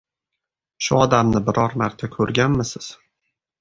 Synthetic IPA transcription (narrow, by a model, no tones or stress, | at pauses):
ʃʊɒd̪amnɪbɪɾɒɾmaɾt̪ʰakʰɵɾɡʲanmɪsɪz̥